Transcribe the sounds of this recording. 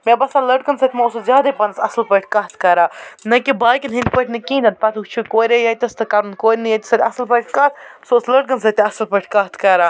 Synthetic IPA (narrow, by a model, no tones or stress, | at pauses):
mʲebɐsaləʈ̚ɡɐnsɐt̪ʰʲmɐosɨzʲaːd̪ɐpɐnɐsɐslpəʈʰʲkɐt̪ʰkɐɾaːnɐkibaːjkilɦind̪pəʈʰnɨkĩːnd̪ɐnt̪̚pɐt̪ʰukt͡ʃʰukoːɾʲejɐt̪ʲɐst̪ɨkɐɾnkoːɾʲnɨjɐt̪ʲi̥sɐt̪ʲɐslpɐʈ̚ʰʲkɐt̪ʰsoːsləʈ̚ɡɐnsɐt̪ʲɐslpəʈʰʲkɐɦt̪ʰkɐɾaː